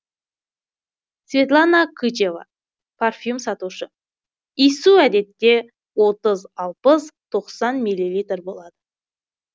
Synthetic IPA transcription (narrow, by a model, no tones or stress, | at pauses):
svʲe̞t̪lˠanakʰut͡ʃeva̰ | pʰarfʲjumsɑt̪uʃə | ijsuæd̪e̞t̪ːe̞ | wo̞t̪əzɑlˠpəzt̪ʰo̞qsɑnmilʲːilʲijt̪rbo̞lˠɑd̪ə